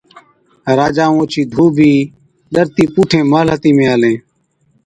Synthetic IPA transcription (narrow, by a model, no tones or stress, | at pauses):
ɾaːd͡ʒaːõːt͡ʃiːd̪ʱuːbʱiː | ɗ̪əɾt̪iːpuːʈʰẽːmələt̪iːmẽːaːlẽː